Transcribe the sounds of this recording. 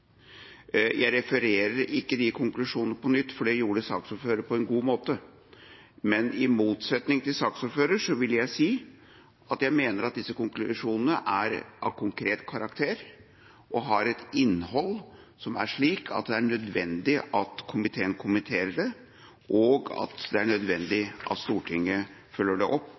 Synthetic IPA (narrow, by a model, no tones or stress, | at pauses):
jʔæɪɾɛfəɾeːɾəɾɪkːəd̪ɪkʰʊŋklʉʂuːnnəpʰɔnʏt̪ːfɔɖɛjuːɖəsɑːksɔɾføːɾəpʰɔɛnɡuːmoːt̪ə | mɛnɪmuːt̪sɛt̪nɪŋt̪ʰɪlsɑːksɔɾføːɾəʂɔʋɪljæɪsiː | ʔɑt̪jæɪmeːnəɾɑt̪̚d̪ɪsːəkʊŋklʉʂuːnənəʔæɾʔɑ̰ʋkʰʊŋkʰɾeːt̪kʰɑɾɑkt̪ʰeːɾ | ʔɔɦɑɾɛt̪ɪnːhɔlː | sɔmæ̰ʂɭiːkʰɑ̰t̪̚d̪ɛæɳœd̪ʋɛnd̪ɪʔɑt̪kʰʊmɪt̪ʰeːənkʰʊmənt̪ʰeːɾəɖɛ | ʔɔɡɑ̰t̪d̪ɛæɳœd̪ʋɛnd̪ɪʔɑ̰t̪st̪uːʈʰɪŋːə | fœlːəɖɛʔɔpː